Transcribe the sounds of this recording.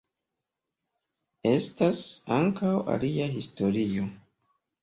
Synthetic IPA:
e̞stasaŋkawa̰liaɦisto̞ɾio̞

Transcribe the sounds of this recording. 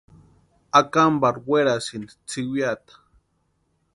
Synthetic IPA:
akambaɾweɾasind̪it͡siwjat̪ḁ

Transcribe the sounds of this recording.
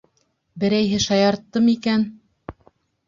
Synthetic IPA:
bɘ̆ɾæjɦɘʃɑjɑɾt̪ːɤmikæn

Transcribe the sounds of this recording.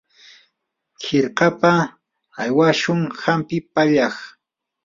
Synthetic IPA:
kɪɾqɑpa | ajwaʃʊŋhampɪpaʎɑχ

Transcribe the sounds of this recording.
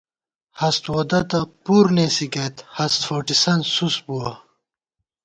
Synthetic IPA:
hɐst̪wod̪ɐt̪ɐpuːɾnesikɐt̪hɐst̪foʈisɐnsusbuɐ

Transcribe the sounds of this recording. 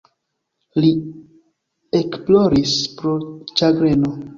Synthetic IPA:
li | ekplo̞ɾispɾot͡ʃaɡɾe̞no

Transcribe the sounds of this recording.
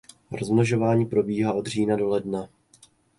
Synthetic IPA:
ɾozmnoʒo̞vaːɲiːpɾo̞biːɦaːo̞d̪r̝iːnado̞lɛdna

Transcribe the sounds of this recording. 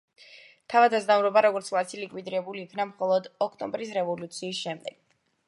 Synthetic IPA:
t̪ʰavad̪azd̪amuɾɔbaɾɔɡɔɾt̪sʰlˠasʰilikʼwid̪iɾɛbuliːkʰnamχɔlˠɔd̪ɔk̚ʰt̪ʼɔ̃mbɾis̬ɾɛvɔlut̪sʰiːsʃɛmd̪ɛɡ̥̚

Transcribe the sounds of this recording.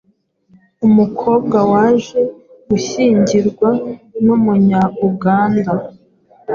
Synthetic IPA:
umukʰo̞ːb̚ɡawaːʒe̞ | ɡuʃiːɲɟiɾɡwanumuɲauɡaːnda

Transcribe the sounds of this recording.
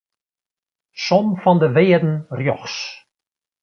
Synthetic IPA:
sɔmfɔndəveːədn̩rjɔ̰χs

